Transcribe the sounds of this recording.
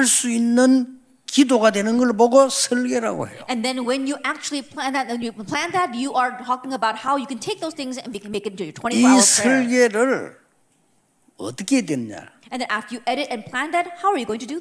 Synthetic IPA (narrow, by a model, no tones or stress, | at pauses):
haɭs͈uinːɯn | kid̪oɡadwenɯnɡʌɭboɡosʰʌɭɡeɾa̰ɡo̰hḛjo̰ɛ̃nðɛ̃nwɛ̃njɨʔæk̚t͡ʃul̩ˠipʰl̥æ̃nðæt̚ɛ̃njɨpʰl̥æ̃nðætjuʔə˞tʰɔkɪ̃ŋəbaʊt̚haʊjɨkɨ̃ntʰeɪk̚ðoʊz̥θɪ̃ŋzɨ̰̃nwiknmeɪkɪt̚əjə˞tʰwɛ̃iisʰʌɭɡeɾɯɾ | ʌ̰t̪ʌkʰedwenɲa̰ɛ̃nðɛ̃næftə˞jɨʔɛɾɪɾɨ̃npʰl̥æ̃nðæt̚hawa˞jɨɡoʊɪ̃ŋtʰɨdɨ